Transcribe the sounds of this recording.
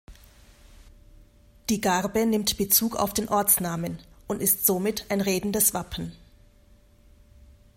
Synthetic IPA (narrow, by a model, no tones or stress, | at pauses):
d̥iːɡaʁbənɪmtb̥ət͡suːka̰ʊfd̥eːnʔɔɐt͡snaːmənʔʊntɪstz̥oːmɪtʰaɪnʁeːdn̩dəsv̥apʰn̩